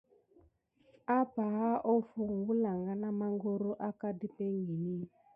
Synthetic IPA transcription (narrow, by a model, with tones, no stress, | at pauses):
a˦pa˨a˦ʔɔ˦fu˨ŋɡu˦la˨ŋɡa˨na˦ma˦ŋɡo˦ɾo˦ʔa˦ka˦di˦pe˦ŋɡi˨ni˦